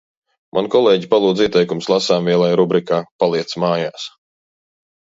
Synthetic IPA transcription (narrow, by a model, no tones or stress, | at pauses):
mʔa̰nkɔlˠeːɟipalˠuːd̪ziɛt̪ɛjkumslˠasaːmviɛlˠajɾubɾikaːpalˠiɛt̪smaːjaːs